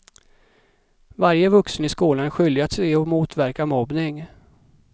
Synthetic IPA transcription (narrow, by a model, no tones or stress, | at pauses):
vaɾjəvɵksnɪskuːlanɧʏlɪat̪sɛjɔmuːt̪væɾkamɔbnɪŋ